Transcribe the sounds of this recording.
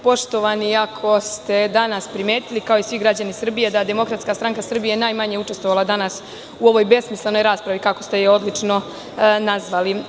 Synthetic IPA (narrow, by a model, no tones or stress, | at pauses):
po̞ʃt̪o̞ʋaniakʰo̞st̪e̞d̪anaspɾime̞ːt̪ilikao̞isʋiɡɾad͡ʑanisr̩bije̞d̪ad̪e̞mo̞kɾat̪skast̪ɾaŋkasr̩bijenaːjmaɲe̞uʈ͡ʂe̞st̪ʋoʋalˠad̪anas | uo̞ʋo̞jbe̞smislˠeno̞jɾaːspɾaʋikako̞st̪e̞jeo̞d̪lit͡ʂno̞ | nazʋali